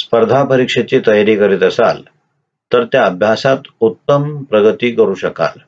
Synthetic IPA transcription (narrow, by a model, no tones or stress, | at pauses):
spəɾd̪ʱapəɾikʂet͡ɕiːt̪əjaɾiːkəɾit̪əsa̰l | t̪əɾt̪jaəbʱjasat̪ut̪ːəmpɾəɡət̪iːkəɾuːɕəka̰l